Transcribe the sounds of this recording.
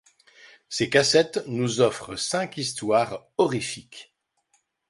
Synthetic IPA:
sekasɛt̪nuzɔfχəsɛ̃kist̪waːʁ | ɔʁifik

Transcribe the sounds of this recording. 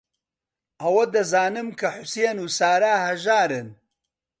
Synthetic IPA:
ʔɐwɐd̪ɐzaːnɨmkʰɐħʊseːnuːsaːɾaːhɐʒaːɾɨn

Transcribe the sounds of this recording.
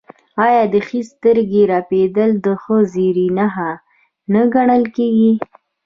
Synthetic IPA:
ɑjɑd̪əxist̪əɾɡeɾɑped̪əld̪əxəziɾinaɦa | naɡaɳəlkeɡi

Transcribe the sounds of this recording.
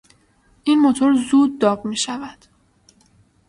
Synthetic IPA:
ʔinmot̪ʰo̞ɾzuːd̪̚ːɒːbmiːʃævæd̪̥

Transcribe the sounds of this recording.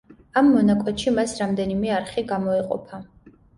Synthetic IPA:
amːɔnakʼɛt̪ʃimasɾamd̪ɛnimɛaɾχiɡamɔɛqʼɔ̰pʰa

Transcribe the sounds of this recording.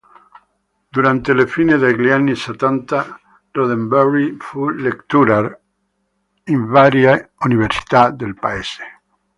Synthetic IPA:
d̪uɾant̪elefineðelianiset̪ant̪a | doðembɛrifulekt̪uɾaɾ | iɱvaɾjauniβeɾsi̥t̪ad̪elpaese

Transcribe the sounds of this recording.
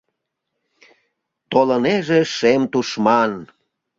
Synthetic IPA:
t̪oləneʒeʃemt̪uʃmɑn

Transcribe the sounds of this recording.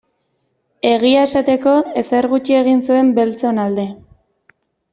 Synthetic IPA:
e̞ɣ̞iae̞sat̪e̞ko̞e̞se̞ɾɣut͡ʃie̞ɣinsue̞mbe̞lt͡so̞nald̪e̞

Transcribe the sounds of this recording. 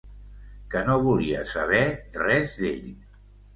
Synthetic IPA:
kənoβuliə̰səβ̞ɛrɛzd̪eʎ

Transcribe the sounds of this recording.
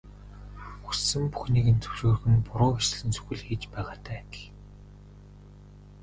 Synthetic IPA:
xu̥sɘ̆mpu̥xniːɣɘ̆nt͡sʰɵ̥wʃoːr̆xɘ̆npʊɾʊːxit͡ɕ̆ɮɘ̆nsɵ̥xʲɘ̆ɮxiːt͡ɕpæːʁaːt̪ʰæːt̪̆ɮ

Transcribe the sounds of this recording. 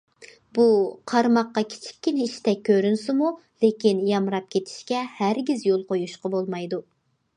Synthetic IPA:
buqʰɑɾmɑqːɑkʲʰi̥t͡ʃʰi̥kʲːinit͡ʃʰt̪ɛk̚ʲʰːøɾynsɪmu | lekʲinjɑmɾɑp̚kʲʰet̪ʰi̥ʃkʲɛhæɾɡʲizjolˠqʰojuʃqɑbolˠmɑjd̪u

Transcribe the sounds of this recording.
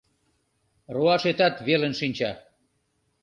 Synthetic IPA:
roɑʃet̪ɑt̪βelənʃinʲt͡ɕɑ

